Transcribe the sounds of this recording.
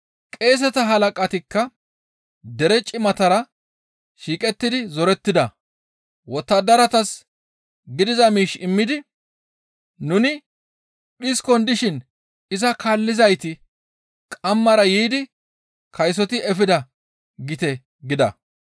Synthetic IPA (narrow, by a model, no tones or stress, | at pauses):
kʼe̞ːs̬ɛt̪ɐɦɐlɐkʼɐt̪ɪkːɐ | d̪ɛɾɛt͡ʃʼɪmɐt̪ɐɾɐ | ʃiːkʼɛt̪ːɪd̪ɪzɔɾɛt̪ːɪd̪ɐ | wɔt̪ːɐd̪ɐɾɐt̪ɐs | ɡɪd̪ɪzɐmiːʃɪmːɪd̪ɪ | nʊnɪ | ɓɪskɔnd̪ɪʃɪn | ɪzɐkaːlːɪzɐjt̪ɪ | kʼɐmːɐɾɐjiːd̪ɪ | kʰɐjs̬ɔt̪ɪʔɛfɪd̪ɐ | ɡɪt̪ɛ | ɡɪd̪ɐ̰